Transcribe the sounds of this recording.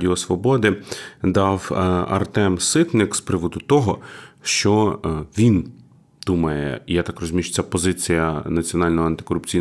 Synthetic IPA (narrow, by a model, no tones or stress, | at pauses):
dʲɪɔsʋɔbɔd̪ɪd̪ɑwɐ̰rt̪ɛmsɪt̪nɪkspɾɪʋɔd̪ʊt̪ɔɦɔʃt͡ʃɔʋʲin | d̪̥umɐjɛ̰ijat̪ɑkrɔzʲʊmʲiʃt͡s̪ʲsʲɛpɔzɪt͡sʲijɐnɐt͡sʲiɔnɑlʲnɔɦɔɐnt̪ɪ̥kɔɾʊp̚t͡sʲij